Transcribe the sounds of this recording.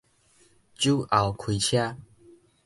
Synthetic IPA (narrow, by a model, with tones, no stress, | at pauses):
t͡ɕju˦ʔa˨˩wkʰwi˧t͡ɕʰja˦